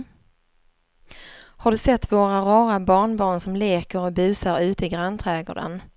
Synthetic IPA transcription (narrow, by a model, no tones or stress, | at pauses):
haɖɵsɛt̪ːvoːɾaɾɑːɾabɑːɳbɑːɳsɔmleːkəɾɔbʉ̟ːsaɾʉ̟ːt̪əɪɡɾant̪ʰɾɛːɡɔ̰ːɖə̰n